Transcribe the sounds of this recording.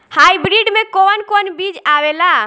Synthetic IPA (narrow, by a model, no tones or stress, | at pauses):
hajbɾiɖmekonkonbid͡ʒawela